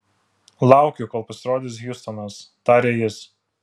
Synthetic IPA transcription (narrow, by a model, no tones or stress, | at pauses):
lˠɑˑʊkʲʊkɔːlˠpɐsʲɪɾoːd̪ʲɪs̬ɣjust̪ɔnɐst̪ɑːɾʲeːjɪs